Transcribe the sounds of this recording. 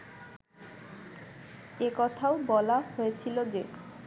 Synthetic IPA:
ekɔt̪ʰaobɔlahoet͡ɕʰilod͡ʑe

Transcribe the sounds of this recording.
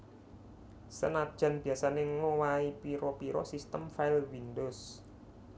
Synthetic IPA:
sə̰nad̥ʒ̥ä̤nb̥i̤asaneŋowaipiɾɔpiɾɔsist̪əmfaɪlwindos

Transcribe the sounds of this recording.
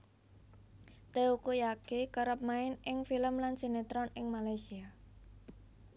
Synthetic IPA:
t̪eukujakekəɾəp̚maɪnɪŋfiləmlansenet̪ɾɔnɪŋmalajsia

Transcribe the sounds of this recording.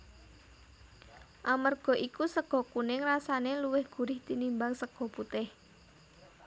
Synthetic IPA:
ʔamərɡ̥ɔ̤ʔikusəɡ̥ɔ̤kunɪŋrasaneluwɪhɡ̥ṳɾɪht̪inimbaŋsəɡ̥ɔ̤put̪ɪh

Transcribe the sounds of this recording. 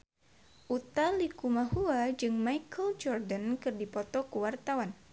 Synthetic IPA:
ʔut̪alikumahuad͡ʒɨŋmajkʰəld͡ʒɔrdankɨrdipɔt̪ɔkuwart̪awan

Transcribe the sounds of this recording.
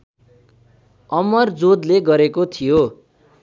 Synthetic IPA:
ʌmʌrd͡zod̪leɡʌɾekot̪ʰijo

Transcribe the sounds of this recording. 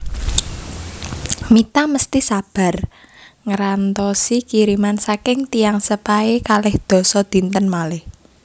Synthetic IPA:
mit̪aməst̪isab̥a̤r | ŋəɾant̪ɔsikiɾimansakɪŋt̪ijaŋsəpaekalɪhd̪̥ɔ̤sɔd̪̥i̤nt̪ənmalɪh

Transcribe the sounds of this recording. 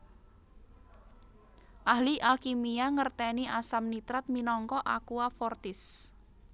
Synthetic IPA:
ʔahliʔalkimiaŋərt̪ɛniʔasamnit̪ɾat̪̚minɔŋkɔʔakuafɔrt̪ɪs

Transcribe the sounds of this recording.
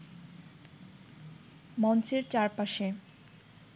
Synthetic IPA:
mɔnt͡ɕeɾt͡ɕaɾpaʃe

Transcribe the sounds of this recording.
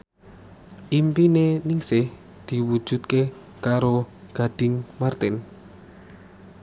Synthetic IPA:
ʔimpineniŋsɪh | d̪̥i̤wud̥ʒ̥ṳt̪̚ke | kaɾoɡ̥a̤ɖ̥ɪŋmart̪ɪn

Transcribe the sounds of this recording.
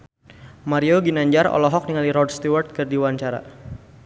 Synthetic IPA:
maɾioɡinaɲd͡ʒarɔ̰lɔɦɔk̚niŋaliɾɔrd̚st̪uwart̪̚kɨrdiwaɲt͡ʃaɾa̰

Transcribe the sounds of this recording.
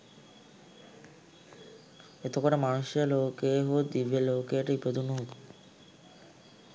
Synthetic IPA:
et̪ʰokɔɾemanuʃjalokeɦod̪ibelokeʈaiped̪unuɦot̪u̥

